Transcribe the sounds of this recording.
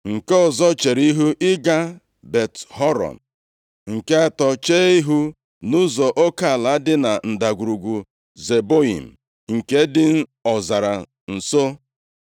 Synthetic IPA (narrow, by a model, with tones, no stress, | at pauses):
ŋ̩˨ke˦ɔ˨zɔ˦t͡ʃe˨ɾi˦ɦu˦ʔɪ˦ɡa˦ | be˨thɔ˦ɾɔ̰˨n̩˨ | ŋ̩˨ke˦a˦tɔ˨t͡ʃeː˦i˦ɦu˦ | nu˦zɔ˨ʔo˦ka˦˨a˨la˨˦dɪ˦na˨n̩˨da˨ɡʷu˨ɾu˨ɡʷu˨ | ze˨bo˦ḭ˨m̩˨ | ŋ̩˨ke˦dɪ˦n̩˦ɔ˨za˨ɾa˨ | n̩˨so˦